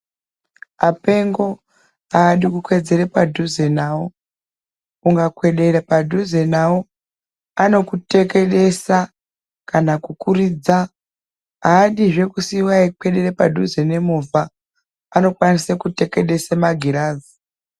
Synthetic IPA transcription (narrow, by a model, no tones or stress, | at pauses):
ape̞ŋɡo̞ | aːɗikukwe̞d͡ze̞ɾepadʱuze̞nawo | uŋɡakwe̞ɗe̞ɾepadʱuze̞nawo | ano̞kute̞ke̞ɗe̞sa | kanakukuriːd͡za | aːɗiʐe̞kusiwaikwe̞ɗe̞ɾepadʱuzene̞mova | ano̞kwanisekute̞ke̞ɗe̞semaɡʱiɾaːzi